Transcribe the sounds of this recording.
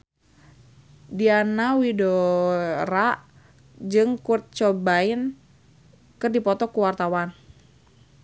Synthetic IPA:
dianawido | ɾaʔ | d͡ʒɨŋkurt̪̚t͡ʃɔbain | kɨrdipɔt̪ɔkuwart̪awan

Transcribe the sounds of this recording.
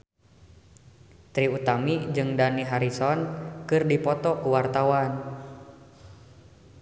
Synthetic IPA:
t̪ɾiut̪amid͡ʒɨŋdaniɦaɾisɔnkɨrdipɔt̪ɔkuwart̪awan

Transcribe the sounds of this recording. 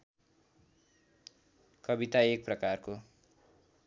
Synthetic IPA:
kʌbit̪aek̚prʌkarko

